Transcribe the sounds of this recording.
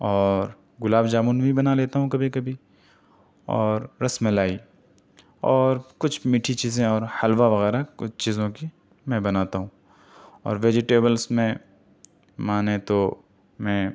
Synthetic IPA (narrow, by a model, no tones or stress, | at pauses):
ɔːɾ | ɡʊlaːbd͡ʒaːmuːnbʱibɐnaleːt̪aɦũkɐbʱikɐbʱi | ɔ̰ːɾːɐsmẽlaːi | ɔːɾkʊt͡ʃʰmiːʈʰit͡ʃiːzẽɔːɾhɐlʋaʋɐɣɛːɾakʊt͡ʃt͡ʃiːzõki | mɛ̃bɐnaːt̪aɦũ | ɔ̰ːɾʋeːd͡ʒɪʈeːbəlsmẽ | maːnet̪o | mɛ̃ː